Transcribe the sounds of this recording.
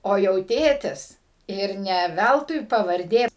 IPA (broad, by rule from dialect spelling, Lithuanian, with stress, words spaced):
oː jɛʊ ˈtʲeːtʲɪs ɪr ˈnʲɛ ˈʋʲælˠtʊɪ pɐʋɐrʲˈdʲeː